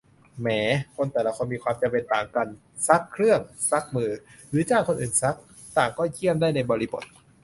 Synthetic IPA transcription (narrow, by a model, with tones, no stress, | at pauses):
mɛː˩˦kʰo˧nt̪ɛː˨˩la˦˧kʰo˧nmiː˧kʰwaː˧mt͡ɕa˧mpe˧nt̪aː˨˩ŋka˧n | sa˦˥kʰːɾɯ˥˩əŋsa˦˥k̚mɯː˧ɾɯː˨˩˦t͡ɕaː˥˩kʰːo˧nʔɯː˨˩nsa˦˥k̚ | t̪aː˨˩ŋkɔː˥˩ji˥˩əmdaː˥˩jna˧jbɔː˧ɾi˦˥bo˨˩t̪̚